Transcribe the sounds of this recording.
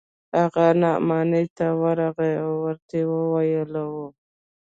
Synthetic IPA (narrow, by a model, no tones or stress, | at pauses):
haɣanɑmɑnəjt̪awəɾaɣeawːəɾt̪ewəwajəlawu